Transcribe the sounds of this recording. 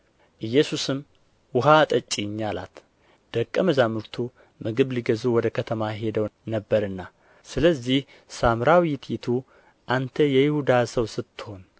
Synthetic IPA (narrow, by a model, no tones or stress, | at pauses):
ʔɨjːɛsusɨm | wʊɦat̪ʼət͡ʃʼːiɲːala̰t̪ | d̪̥əkʼːəməzamɨɾt̪ʰu | mɨɡɨβliɡəzuwɔd̪əkʰət̪ʰəmaɦe̞d̪əwnəbːəɾɨnːa | sɨləzːih | samɾawt̪ʰjɪt̪ʰu | ʔant̪ʰəjɛjɪhud̪asəwsɨt̪ːɨ̥ho̞n